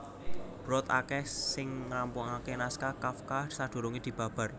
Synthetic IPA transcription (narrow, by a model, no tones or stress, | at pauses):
b̥ɾɔt̪a̰kɛhsɪŋːampʊŋakenaskakafkahsaɖ̪̥o̤ɾuŋid̪̥i̤b̥ä̤b̥a̤r